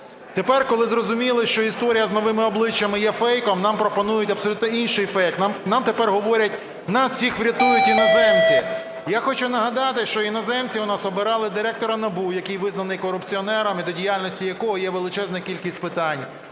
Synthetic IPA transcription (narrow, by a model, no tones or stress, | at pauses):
t̪epɛrkɔlˠɪzrɔzʊmʲilˠɪʃt͡ʃɔist̪ɔɾʲijɐznɔʋɪmɪɔblˠɪt͡ʃːɐmɪjɛfɛjkɔmnɑmpɾɔpɔnujʊtʲɐbpsɔlʲut̪nɔinʃɪjfɛkt̪nɑmt̪epɛrɦɔʋɔɾʲɐt̚ʲ | nɐssʲixʋɾʲɐt̪ujʊtʲinɔzɛmt͡sʲi | jaxɔt͡ʃʊnɐɦɐd̪ɑt̪ɪʃt͡ʃɔinɔzɛmt͡sʲiʊnɑsɔbɪɾɑlˠɪd̪ɪɾɛk̚t̪ɔɾɐnɐbujɐkɪjʋɪznɐnɪjkɔɾʊpt͡sʲiɔnɛɾɐmɪd̪ɔdʲijalʲnɔsʲtʲijɐkɔɦɔjɛʋelˠɪt͡ʃɛznɛkʲilʲkʲisʲtʲpɪt̪ɑnʲ